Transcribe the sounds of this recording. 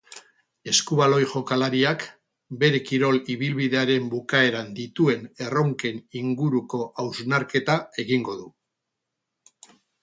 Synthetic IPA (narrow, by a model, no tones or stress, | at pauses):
e̞skuβalo̞jʝo̞kalaɾiak | be̞ɾe̞kiɾo̞liβ̞ilβiðe̞aɾe̞mbukae̞ɾand̪it̪ue̞ne̞ro̞ŋke̞niŋɡuɾuko̞ʔawznaɾke̞t̪ae̞ɣiŋɡo̞ðu